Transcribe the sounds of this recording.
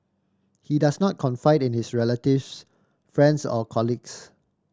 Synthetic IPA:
hidasnɔt̚kʰɔ̃nfaɪdɪ̃nhisɹɛlətifs | fɹɛ̃ndsɔ̰kʰɔliɡs

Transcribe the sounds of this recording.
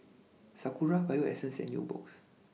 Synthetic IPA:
sakuɹavajuɛ̰sə̃nsɛ̰̃nnjṵbɔ̰ks

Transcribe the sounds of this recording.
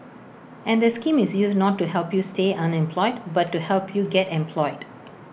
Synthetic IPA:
ʔɛ̃nd̪əskĩmɪsjusdnɔtːuɦɛlpjusteʔãnɛ̃mpʰlɔɪdbatːuhɛlpʰjuɡɛtɛ̃mpʰlɔɪd̥

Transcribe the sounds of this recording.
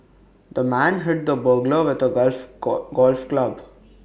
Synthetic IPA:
d̪əmæ̃nɦɪʈ̚d̪əbəɾɡləʋɪd̪əlfɡɔːlfklʌb

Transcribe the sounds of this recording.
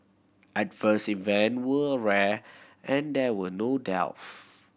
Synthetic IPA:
ɛtvəsivɛ̃nwəɹɛʔɛ̃ndɛwənodɛ̰lf

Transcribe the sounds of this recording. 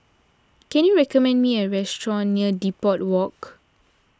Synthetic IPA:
kɛ̃njuɹɛkɔmɛ̃ndmiəɹɛstɹɔ̃nniədipɔt̚wɔk

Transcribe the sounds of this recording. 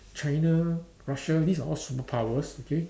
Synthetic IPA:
t͡ʃãjna | ɹaʃədisaɔsupəpʰawəsokʰe

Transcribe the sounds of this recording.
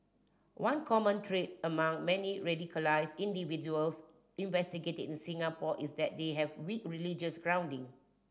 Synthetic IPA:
wãnkʰɔmə̃ntʰɹet̚əmãŋmɛniɹɛdikʰəlaɪsĩndivid͡ʒuəls | ĩnvɛstiɡetədĩnsĩŋapɔʔisdɛt̚deɦɛvwikɹilid͡ʒəsɡɹãw̃ndĩŋ

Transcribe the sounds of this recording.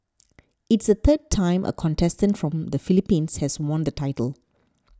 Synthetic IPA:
ɪtsət̪ʰəd̚tʰãɪ̃mʔə̰kʰɔ̃ntʰɛstə̃ntfɹɔ̃md̪əfilipĩnshɛswɔ̃nd̪ətʰaɪtəl

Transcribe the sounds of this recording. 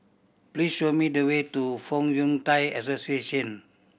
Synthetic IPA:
plisʃomidəwetufɔ̃ŋjũŋtajɛsosieʃɔ̃n

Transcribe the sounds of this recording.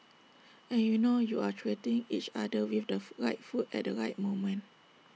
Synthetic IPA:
ɛ̃njunojuatʰɹetĩŋit͡ʃadəwifdəɹajt̚futɛ̰t̚dəɹaɪt̚mõmə̃n

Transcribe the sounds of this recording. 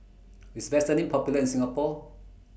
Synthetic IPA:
wisvɛstə̃nĩŋpʰɔpjuləĩnsĩŋapɔ

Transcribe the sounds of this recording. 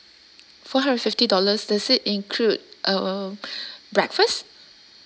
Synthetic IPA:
fɔɦãndɹɛtfɪftidɔləsdasɪtĩnkʰlud̚ʔə | bɹɛkfəst

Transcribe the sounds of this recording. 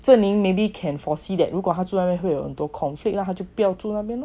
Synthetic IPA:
t͡sənliŋmẽbikʰɛnfɔsid̪ɛ̰nɾukwɔt̪ʰat͡sunapjɛnwejohənt̪wɔkʰɔnflik̚naat͡ɕjoʊpjɑʊt͡sunapjɛn

